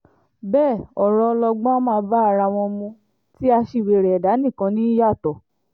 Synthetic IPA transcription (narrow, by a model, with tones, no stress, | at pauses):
bɛː˦˨ɔ˨ɾɔ˧lɔ˧ɡ͡bɔ̃˦mãː˦˧˦ba˦a˦˨ɾa˧w̃ɔ̃˧mũ˧ | ti˦a˧ʃi˧˨we˨ɾɛ˨ɛ˨da˨˦nĩ˦˨kã˧˦nĩ˦ja˦˨tɔ˨